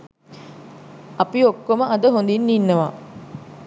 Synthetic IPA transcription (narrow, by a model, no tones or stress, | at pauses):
ɐpiokːoməʔɐd̪əɦond̪inːinːɐʋaː